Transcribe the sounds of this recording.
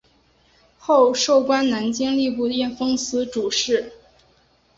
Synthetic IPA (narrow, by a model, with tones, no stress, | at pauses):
xo˥˧ʊʂo˥˩ʊkwa˥nna˧˥nt͡ɕi˥ŋli˥˧p̬u˥˧t̪jɛ˥˩nfɤ˥ŋsɹ̩˧˥ʈ͡ʂu˨˩ʂɻ̩˥˩